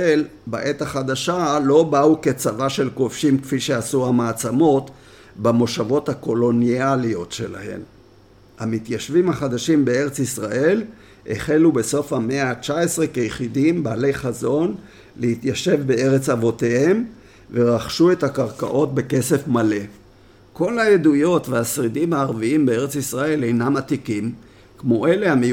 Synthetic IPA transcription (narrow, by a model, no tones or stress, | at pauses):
elbaʔe̞t̪aχad̪aʃalo̞bauke̞t͡savaʃe̞lko̞fʃimkfiʃe̞asuhamaːt͡samo̞t̪ | bamo̞ʃavo̞t̪hako̞lo̞nialio̞tʃe̞la̰he̞̰m | hamit̪jaʃvimhaχad̪aʃimbe̞e̞ʁet͡sisʁaʔe̞l | ʔḛχelube̞so̞fhame̞at͡ʃae̞sʁe̞kejeχidimbaːle̞jχazo̞n | leit̪jaʃe̞vbe̞e̞ʁet͡savo̞te̞he̞m | ve̞ʁaχʃue̞thakaʁka̰ʔo̞tbe̞ke̞se̞fmale̞ | ko̞lajed̪ujo̞tveasʁidimhaːʁviimbee̞ʁet͡sisʁae̞le̞jnamatikim | kmo̞ʔe̞le̞hame